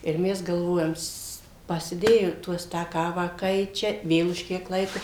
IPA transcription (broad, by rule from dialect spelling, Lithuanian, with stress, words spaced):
ɪr ˈmʲɛs ɡɐlˠˈʋoːjɛm s pɐsʲɪˈdʲeːjoː ˈtuɔs tɑː ˈkɑːʋɑː ˈkɐɪt͡ʃʲɛ ˈʋʲeːlˠ ʊʃ ˈkʲiɛk ˈlˠɐɪkoː